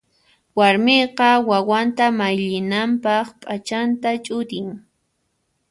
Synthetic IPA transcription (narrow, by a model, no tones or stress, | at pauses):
waɾmeqɑwawant̪amajʎɪnampɑχpʼat͡ʃant̪at͡ʃʼʊɾɪŋ